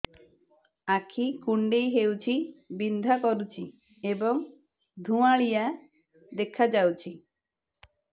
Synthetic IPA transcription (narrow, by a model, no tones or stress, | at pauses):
akʰikuɳɖejɦewt͡ʃʰibind̪ʱakɔɾut͡ʃʰi | ebɔŋ | d̪ʱũaɭija | d̪ekʰad͡ʒawt͡ʃʰi